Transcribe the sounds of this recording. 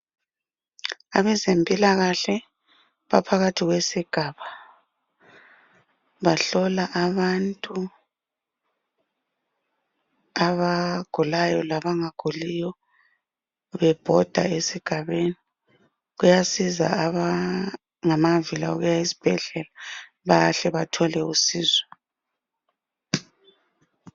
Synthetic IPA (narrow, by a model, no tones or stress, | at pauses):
aβɛzempʼilaɣaɬɛ | βapʰaɣatʰiɣwesiɡ̥ʱaːβa | βaɬɔlaʔaβantʼu | aβaɡ̥ʱulajɔlaβaŋaɡ̥ʱulijɔ | βɛb̥ʱɔd̥ʱa̰esiɡ̥ʱaβeni | ɣujasiza̰ːβa | ŋamavilauɣujaisi̥b̥ʱɛɮɛla | βaɬɛβatʰɔlɛusiːzwɛ